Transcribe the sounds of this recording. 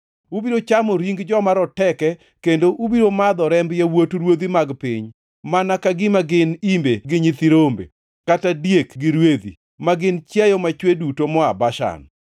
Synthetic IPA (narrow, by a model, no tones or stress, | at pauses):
ubiɾot͡ʃamɔɾiŋɡd͡ʒɔmaɾɔtɛkɛ | kendoʔubiɾomad̪ɔɾɛmbjawotɾwod̪imaɡpɪɲ | manakaɡɪmaɡɪnimbeɡɪɲɪt̪iɾombḛ | katadjekɡɪɾwed̪ḭ | maɡɪnt͡ʃjajɔmat͡ʃwedutomɔabaʃa̰n